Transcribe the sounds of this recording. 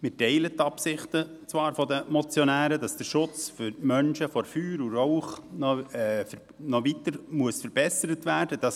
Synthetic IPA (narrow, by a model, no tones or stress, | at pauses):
mɪtɛɪlətːɑpsɪχtə | t͡svɑːɾfɔd̪əmɔt͡sjɔnæːɾədɑsd̥əɾʃʊt͡sfʏɾmœnʃəfɔɾfyːɾuɾɔʊχnɔɛːf | nɔʋit̪əɾmuəsfəɾbɛsəɾət̪væːɾdəd̥ɑs